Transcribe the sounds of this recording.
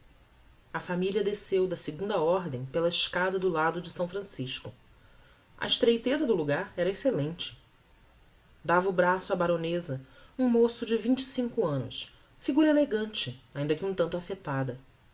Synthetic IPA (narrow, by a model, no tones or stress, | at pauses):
ɐfamiliɐd̪esewd̪ɐsɪɡũnd̪ɐɔɾd̪ẽj̃pelɐɪʃkad̪ɐd̪ʊlad̪ʊd͡ʒɪsɐ̃w̃fɾɐ̃siʃkʊ | ʔɐ̰iʃt̪ɾejt̪ezɐd̪ʊluɡaɾɛɾɐeselẽnt͡ʃɪ̥ | d̪avɐubɾasʊabaɾonezɐũmosʊd͡ʒɪvĩɲt͡ʃɪ̥sĩŋkʊɐ̃nʊ̰s | fiɡuɾɐeleɡɐ̃nt͡ʃɪaĩnd̪ɐkɪũt̪ɐ̃nt̪ʊafet̪ad̪ɐ